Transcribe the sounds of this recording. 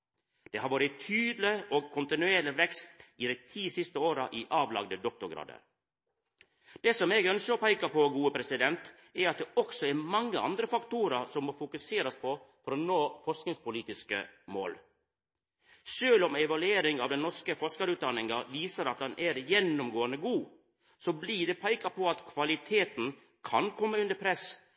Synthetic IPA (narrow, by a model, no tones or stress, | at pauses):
d̪̥ɛːhɑɾʋɑːɾɪt̪ʰyːd̪lɪɔɡ̚kʰʊnt̪ɪnʉeːɾlɪʋɛkst̪ɪd̪æɪt̪ʰiːsɪst̪əoːɾəʔiʔɑːʋlɑ̰ɡd̪əd̪ɔk̚t̪ʊɾɡɾɑ̰ːd̪ə̰ | d̪̥ɛsɔmeːɡœnsəɔpæɪkɑpɔɡuːəpʰɾɛsɪd̪ɛnt̪ | ɛɾɑt̪̚d̪ɛɔksɔɛɾmɑŋːəʔɑ̰nd̪ɾəfɑkt̪uːɾəɾsɔmːoːfʊkʉseːɾɑspʰɔfɔɾɔnoːfɔɾsknɪŋspʊliːt̪ɪskə̰mo̰ːl | ʃøːlɔmɛʋɑlʉeːɾɪŋɑʋd̪ɛnɔɾʂkəfɔɾskɑɾʉːt̪̚d̪ɑnːɪŋɑʋiːsəɾɑt̪̚d̪ɑnʔɛɾjɛnːʊmɡoːənəɡuː | sɔbliːɖɛpʰæɪkɑpʰɔɑt̪kʰʋɑlɪt̪ʰeːt̪n̩ | kʰɑnkʰɔmːəʉnd̪əpʰɾɛs